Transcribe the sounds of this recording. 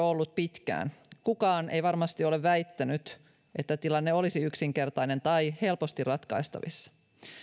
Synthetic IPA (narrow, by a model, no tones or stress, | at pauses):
olːut̪̚pit̪kæ̰ːnkukɑːnʔe̞̰jʋɑrmɑst̪io̞le̞ʋːæjt̪ːænyt̪ | ʔe̞t̪ːæt̪ilɑnːeo̞lisiyksiŋke̞rt̪ɑjne̞nt̪ɑjhe̞lpo̞st̪irrɑt̪kɑ̰ist̪ɑ̰ʋḭsːɑ̥